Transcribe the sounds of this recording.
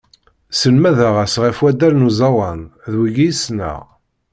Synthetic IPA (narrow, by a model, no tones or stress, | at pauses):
sənmæðaʁæsʁifwæd̪ælnuzɑwɑnðwiɡijisnæ̰ʁ